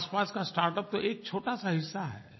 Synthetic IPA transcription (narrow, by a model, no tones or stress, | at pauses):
spaːskasʈaːɾʈəp̚t̪oʔeːk̚t͡ʃʰoːʈasaɦɪsːaɦɛ̰ː